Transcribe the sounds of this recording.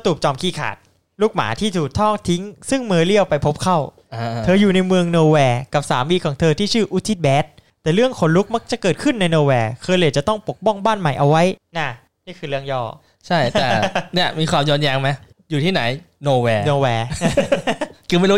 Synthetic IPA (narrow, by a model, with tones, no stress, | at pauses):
t̪uː˨˩p̚t͡ɕɔː˧mkʰiː˥˩kʰa̰ː˨˩t̪̚ | luː˥˩k̚ma̰ː˩˦t̪ʰiː˥˩t̪ʰuː˨˩k̚t̪ʰɔː˥˩ŋt̪ʰi˦˥ŋsɯ˥˩ŋmɤː˧li˥˩əwpa˧jpʰo˦˥p̚kʰa˥˩w | a˧t̪ʰɤː˧juː˨˩na˧jmɯ˧əŋnoː˧wɛː˧ka˨˩p̚saː˩˦mwiː˧kʰɔː˩˦ŋt̪ʰɤː˧t̪ʰiː˥˩t͡ɕʰɯː˥˩ʔu˦˥t̪ʰːi˦˥˩t̪̚bɛː˦˥t̪̚ːɛː˨˩ɾɯ˥˩əŋkʰo˨˩˦nlu˦˥k̚ma˦˥k̚t͡ɕa˨˩kɤː˨˩t̪̚kʰɯ˥˩nːa˧jnoː˧wɛː˧kʰɤː˧jli˧˩t͡ɕa˨˩t̪ɔ˥˩ŋpo˨˩k̚bɔ˥˩ŋbaː˥˩nma˨˩jʔa˧wa˦˥jnaː˥˩ | niː˥˩kʰɯː˧ɾɯ˥˩əŋjɔː˥˩ | t͡ɕʰa˥˩j̪ɛː˨ni˥˩ɐmiː˧kʰwaː˧mjɔː˧njaː˧ŋma˦˥j | juː˨˩t̪ʰiː˥˩na˩˦jnoː˧wɛː˧noː˧wɛː˧ | kʰɯ˧m˥˩˨u˦˥